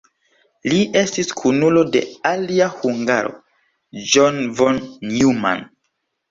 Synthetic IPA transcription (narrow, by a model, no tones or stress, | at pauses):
liʔe̞stiskʰunulo̞de̞̰aliahuŋɡa̰ɾo̞̰ | d͡ʒonvonuma̰n